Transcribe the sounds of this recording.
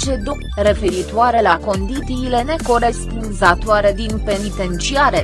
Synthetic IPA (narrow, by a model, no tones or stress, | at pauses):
t͡ʃe̞d̪u | re̞fe̞ɾit̪oaɾe̞lako̞nd̪it̪siːle̞ne̞ko̞ɾe̞spunzat̪oaɾe̞d̪inpe̞nit̪e̞nt͡ʃiaɾe̞